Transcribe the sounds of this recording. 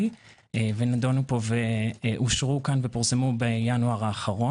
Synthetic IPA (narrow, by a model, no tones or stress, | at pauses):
venadonupo̞veʔuʃʁukanvepiʁsemubejanuaʁaːχaʁo